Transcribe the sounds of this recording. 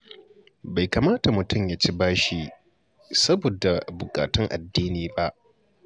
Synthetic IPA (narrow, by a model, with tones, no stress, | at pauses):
ba˨jka˨maː˦ta˨mʊ˨tʊ˦˨mja˦t͡ʃi˦baː˦ʃi˦ | sɐ˦boː˨da˨bʊ˨kʼa̰ː˨tʊ˦ŋʔa̰˨dːiː˦niː˨ba˦ʔ